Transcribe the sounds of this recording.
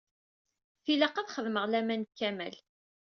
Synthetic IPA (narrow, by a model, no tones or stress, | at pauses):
θiləqɑθχəðməʁlæmænkːæmæ̰l